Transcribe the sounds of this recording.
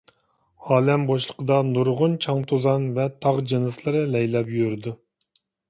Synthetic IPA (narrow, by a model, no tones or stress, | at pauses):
ɑːlɛmboʃlˠəqəd̪ɑnuɾʁʊnt͡ʃʰɑŋt̪ʰozɑnvɛt̪ʰɑʁd͡ʒɨnɨslˠɨɾɨlɛjlɛpjøɾd̪u